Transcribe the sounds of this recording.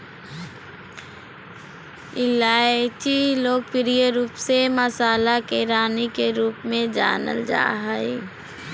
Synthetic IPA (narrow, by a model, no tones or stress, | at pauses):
ɪlaːet͡ʃiloːɡ̚pɪɾijəɾuːpseməsaːlakeɾaːnikeɾuːpmẽd͡ʒa̰ːnə̰ld͡ʒa̰ːɦəe